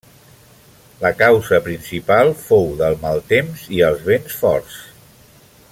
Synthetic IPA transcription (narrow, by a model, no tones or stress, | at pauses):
ləkawzəpɾinsipalˠfowðəlˠmalˠt̪emziəlˠzβensfɔ̰rs